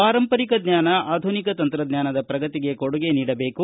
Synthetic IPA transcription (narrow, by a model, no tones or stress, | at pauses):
aːɾɐmpɐɾikɐd̪ɲaːnɐʔaːd̪ʱunikɐt̪ɐnt̪ɾɐd̪ɲaːnɐd̪ɐpɾɐɡɐt̪iɡe̞koɽuɡe̞niːɽɐbe̞ːku